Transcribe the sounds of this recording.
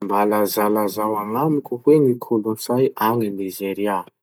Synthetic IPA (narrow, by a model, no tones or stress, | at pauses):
mbalazalazawaŋamikʲuhwenikʰolunsajaŋanizeɾia